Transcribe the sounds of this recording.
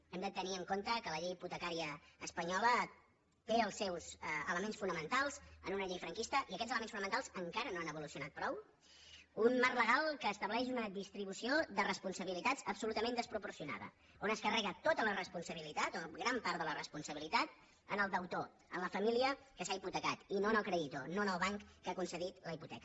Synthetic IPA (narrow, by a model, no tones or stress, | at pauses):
ɛmd̪ət̪əniəŋkont̪əkələʎejput̪əkaɾiəːspəɲɔlə | t̪eəlˠsːɛwzə̰ləmẽnsfunəmənt̪alˠzə̰nunəʎejfɾəŋkist̪əʔiəkɛtd͡zzələmensfunəmənt̪alˠzəŋkaɾənoanəβulusiunat̪̚pɾɔw | unmarləɣalˠkəːst̪əβlɛʃ̬unəðist̪ɾiβusioðərəspunsəβilit̪ad͡zəpsulut̪əmẽnd̪əspɾupursiuna̰ðə̰ | onəskərɛɣət̪ot̪ələrəspunsəβ̞ilit̪at̪oɣɾampaɾt̪ðələrəspunsəβilit̪at̪̚ | ənəlˠd̪əwt̪o | ə̰nləfəmiliəkəsaiput̪əkat̪inoənəlˠkɾɛðit̪o̰noənəlˠβaŋkːakunsəðit̪ləiput̪ɛ̰kə